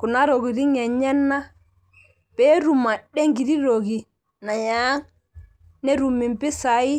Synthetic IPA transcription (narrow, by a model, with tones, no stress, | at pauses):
ku˨na˦ɾo˨ɡi˨ɾi˦ŋɛ˨ɲɛ˦nːa˦ | b̥ɛ˦ɾu˨mːa˨ɗɛ˦ŋɡi˨ɾi˦ɾo˨ɡi˨ | na˨jaː˦ŋ | nɛ˦ɾu˨mːi˨mpi˦sa˨i˦